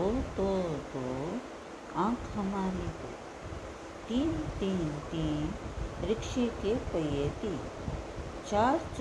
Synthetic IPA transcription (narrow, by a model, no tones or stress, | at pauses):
ot̪ot̪o | ãːkʰɦɐmaːɾit̪o̰ː | t̪iːnt̪iːnt̪iːnɾɪkʂekepəjet̪i | t͡ʃaːɾt͡ʃ